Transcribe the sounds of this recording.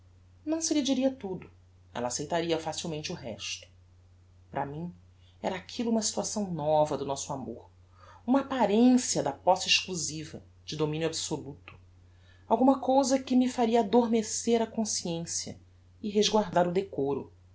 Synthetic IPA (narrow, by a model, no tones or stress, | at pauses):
nɐ̃w̃sɪlid͡ʒiɾiɐt̪ud̪ʊ | ɛ̰lɐasejt̪aɾiɐfasiwmẽnt͡ʃɪuɦɛ̰ʃt̪ʊ̥ | pɾɐmĩɲ | ɛ̰ɾɐakʰilʊũmɐsi̥t̪uasɐ̃w̃nɔvɐd̪ʊnɔsʊamo̰ɾ | ũmɐapaɾẽsiɐd̪ɐpɔsɪɪʃkluzivɐ̰ | d͡ʒɪd̪omĩnjuabsolut̪ʊ̥ | awɡũmɐkowzɐkɪmɪfaɾiɐad̪oɾmeseɾɐkõsiẽsjɐ̰ | ɪɦeʒɡwaɾd̪aɾʊd̪ekoɾʊ̰